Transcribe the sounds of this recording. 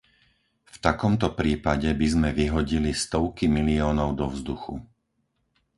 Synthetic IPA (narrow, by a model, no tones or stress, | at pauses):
ft̪akɔmt̪ɔpɾiːpaɟɛbizmɛʋiɦɔɟilist̪ɔʊkimiliɔːnɔʊd̪ɔvzd̪uxṵ